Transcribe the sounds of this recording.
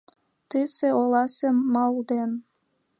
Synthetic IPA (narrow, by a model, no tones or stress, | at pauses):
t̪ɨseolɑsemɑlˠd̪en